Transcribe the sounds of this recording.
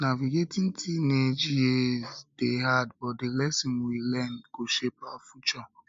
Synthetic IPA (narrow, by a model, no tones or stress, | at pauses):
naviɡetin̩tʰined͡ʒiezd̥eɦadbɔtdɪlɛsĩnwilɛndɡ̥oʃepafut͡ʃɔ